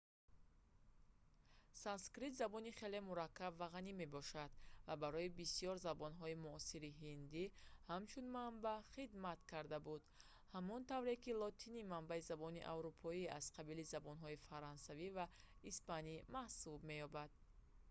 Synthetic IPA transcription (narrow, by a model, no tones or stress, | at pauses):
sanskɾit̪zabɔniχe̞le̞muɾakːabvaʁanime̞bɔʃad̪vabaɾɔibisijɔɾzabɔnɦɔimuɔsiɾiɦind̪ihamt͡ʃʰunmambaχid̪mat̪kʰaɾd̪abud̪ | hamɔnt̪avɾekilɔt̪ʰinimambaizabɔniʔa̰vɾupʰɔia̰z̥qʰabilizabɔnɦɔifaɾɔnsaviva | ispanimahsub̚me̞jɔbad̪̥̚